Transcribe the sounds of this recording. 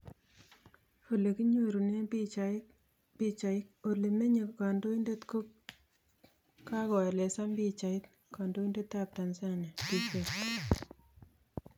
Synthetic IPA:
fo˨le˨ki˦ɲu˨ɾu˨ne˦pit͡ʃa | bi˦t͡ʃa˨ɪ˦k̚o˨le˨me˦ɲe˨ka˨ndo˦i˦nde˦tko˦k | ka˦kɔ˨e˨le˨sa˦mbi˦t͡ʃa˨ɪ˦t | ka˨ndo˦i˦nde˦tːa˦p̚ta˨nsa˦ne˨pi˦ʃe˦t̚

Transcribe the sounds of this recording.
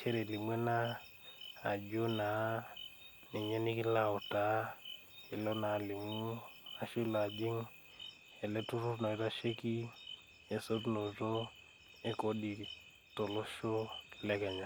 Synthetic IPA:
t͡ʃɛ˦ɾɛ˨li˨mwɛ˦na˦ | a˨d͡ʒo˦na˨˦ | nɛ˨ɲɛ˦ni˦ki˦la˦˨ɔ˨ta˨˦ | ɛ˨lɔ˦na˨li˨mu˦a˨ʃu˦la˨d͡ʒi˦ŋ | ɛ˨lɛ˦tu˦ɾu˦ɾnɔ˨i˦ɾa˦ʃɛ˦ki˦ | ɛ˨sɔ˦ɾu˦nɔ˨rɔ˦ | ɛ˦kɔ˨ɗi˨ | tɔ˨lɔ˦ʃɔ˦˨lɛ˦kɛ˨ɲa˨

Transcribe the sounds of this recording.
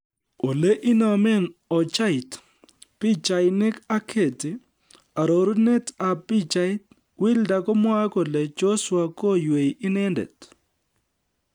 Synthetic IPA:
o˨le˦ʔi˦nɔ˨mɛ˦nɔ˨t͡ʃa˦ɪ˨t | pi˦t͡ʃa˨ɪnɪ˦ka˦kʰe˨tɪ˨ | a˨ɾo˨ɾu˦ne˦ta˨pi˦t͡ʃa˦ɪ˦t | wɪ˦lda˨kɔ˦mwa˦kɔ˨lɛ˨d͡ʒo˦swa˨ko˦jwe˨jɪ˦nɛ˦ndɛ̰˨t

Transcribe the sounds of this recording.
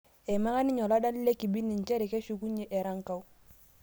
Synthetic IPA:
ɛ˨ma˦ŋa˦ni˦ɲɔ˨la˦da˦ni˦le˦ki˨bi˦ni˨ɲ˨t͡ʃɛ˦ɾi˨ke˦ʃu˦ku˦ɲe˨ʔɛ˨ɾa˦ŋ˦ka˦u˦

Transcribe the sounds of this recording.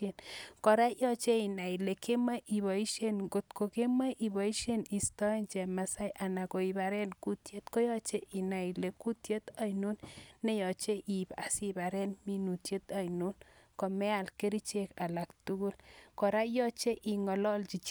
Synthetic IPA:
enkɔ˨ɾa˦jɔ˦t͡ʃe˦i˨na˨i˨le˨ke˦ma˦ʔi˨βa˨i˦ʃe˦nɡo˨t̪ko˨ke˦ma˦jʔi˨ba˨i˦ʃe˦ni˨stɔ˦ent͡ʃɛ˨ma˨sa˦jʔa˨na˨ko˨i˨ba˨ɾɛ˦nku˦tje˦t̪ko˦jɔ˦t͡ʃe˦ʔi˨na˨i˨le˨ku˦tje˦t̪a˦jnu˦nːe˦jɔ˨t͡ʃe˦ʔi˨ba˨si˦ba˨ɾɛ˦nmi˦nu˨tje˦t̪a˨jnu˦nkɔ˨mɛ˦a˨lke˦ɾi˦t͡ʃe˦ka˨la˨ktu˦ku˦lkɔ˨ɾa˦jɔ˦t͡ʃe˦ʔi˨ŋɔ˨lɔ˦lt͡ʃi˨t͡ʃ

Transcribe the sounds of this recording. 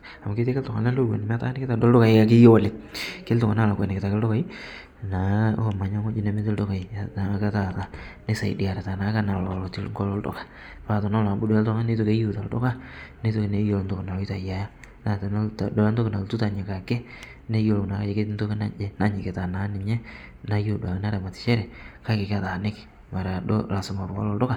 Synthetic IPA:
a˨ma˨ke˦te˦kɛ˦ltʊ˨ŋa̰˨na˦lo˦wḛ˨nɪ˨m˦a˦ta̰˦n˦kɪ˦ta˨do˦ldʊ˦ka˨ɪ˦ka˦k̬ɪ˦jo˦wo˦˨lɪ˨ke˦ltʊ˨ŋa˨na˦˨la˨kwɛ̰˨nɪ˨kɪ˨ta˨kɪ˦ldʊ˦ka˨i˦ | na˨o˦ma˨ɲa˦ŋo˦d͡ʒi˦ne˨˦me˦tɪ˦ldo˦ka˨i˨na˨˦ka˦ta˨ta˨ne˦sa̰˨ḭ˨di˨a˨ɾe˨ta˨na˨˦ka˦na˨ɔ˨lɔ˨tɪ˦lŋɡɔ˦lɔ˦ldɔ̰˨kḁ˨ | fa˨tɔ˨na˦la˨bu˦dʊ˦ɛ˦ltɔ˦ŋa˦ne˦to˦ke˦ju˦˨ta˨ldʊ̰˦ka˦ne˦to˨ke˨ne˦jo˨lnto˦kna˨o˦i˦ta˨ja˨ja˦ | na˨tn˦˨dɔ˨la˦nto˦kɪ˨na˨ltu˦ta˨ɲe˨ka˨ke˦ | ne˦jo˨lo˨na˨ka˦e˨ke˦tnto˦kna̰˦e˦na˦ɲɪ˨ke˨ta˨na˨˦nɪ˨ɲɛ˦ | na˦jo˦˨dwa˨kna˦ɾa˨ma˨tɪ̥˨t͡ʃɛ˦ɾɛ˨ka˦ke˨ka˦˨ta˨nɪ˦kɪ̥˨ | ma˨ɾa˨do̰˦la˨sʊ˨ma˨bkɔ̰˦lɔ˦˨ldo˦ka˦˨

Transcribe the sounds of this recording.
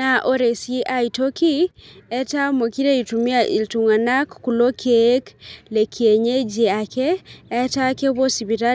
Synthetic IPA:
a˨ʔo˦ɾe˨si˦a˦ito˦ki˦ɛ˦ta˦mo˨ki˦ɾe˦i˨tu˨mi˦a˦ʔḭ˨ltu˨ŋa˨na˦kːu˨lo˦kʰe˦kle˨kʰie˨ɲe˦d͡ʒe˨a˨kɛː˦ta˦ke˦βo˦si˨βi˨ɾa˦

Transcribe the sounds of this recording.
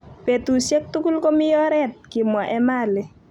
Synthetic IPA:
pe˨tu˨sɛ˦k̚tu˦ku˦lko˦mɪ˦jɔ˦ɾɛ˦t̚kɪ˨mwa˨ʔɛ˦ma˦lɪ˦

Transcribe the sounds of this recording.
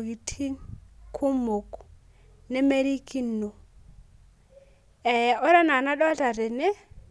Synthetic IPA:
ɡi˨tʰi˦nkʰʊ˦mo˨k | nɛ˦me˦ɾi˦ki˦nːo˨ | ɛ˨ɔ˦ɾa˦na˨na˦dɔ˦a˦ta˨ɾɛ˨nɛ˦

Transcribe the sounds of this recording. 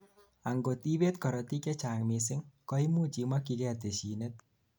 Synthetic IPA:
a˨ŋɡo˨ti˦bɛ˦tkɔ˨ɾɔ˨ti˦kɛ˦t͡ʃa˨ŋmɪsɪ˦ŋkɔ˦i˦mu˦t͡ʃi˨ma˦ki˧ɡe˦a˨t̬e˨ʃi˨nɛ˦t̪̚

